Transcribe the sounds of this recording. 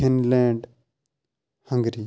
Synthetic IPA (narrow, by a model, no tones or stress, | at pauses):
ɪnlɛ̃ːɳɖ | hə̃ŋɡɾiː